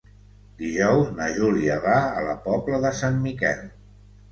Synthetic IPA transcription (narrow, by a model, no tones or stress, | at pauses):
d̪iʒɔwznəʒuliəβaə̰ləpɔpləðəsanmikɛ̰l